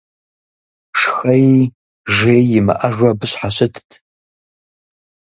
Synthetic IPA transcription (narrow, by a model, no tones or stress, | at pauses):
ʂxɐji | ʒeːjjɪmɨ̰ʔɐʒʷɐbɨɕħaɕɪtʰtʰ